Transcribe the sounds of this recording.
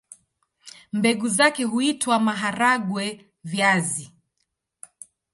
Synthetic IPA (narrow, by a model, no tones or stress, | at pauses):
mbɛɡuzakɛɦuitwamaɦaɾaɠwɛ | vjazi